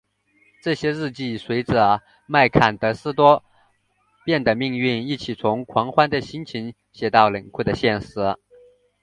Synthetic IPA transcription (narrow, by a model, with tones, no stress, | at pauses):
ʈ͡ʂɤ˥˩ɕjɛ˥ɻɻ̩˥˧t͡ɕi˥˩swe˧˥ɪʈ͡ʂə˧˩ | ma˥˩ɪkʰa˨˩nt̪ɤ˧˥sɹ̩˥t̪wɔ˥ | pjɛ˥˩nd̪ə˩mi˥˧ŋy˥˧ni˥˩t͡ɕʰi˨˩t͡sʰʊ˧˥ŋkʰwɑ˧˥ŋxwa˥nd̪ə˨ɕi˥nt͡ɕʰi˧˥ŋ | ɕjɛ˨˩t̪ɑ˥˩ʊlə˨˩nkʰwd̪ə˩ɕjɛ˥˩nʂɻ̩˧˥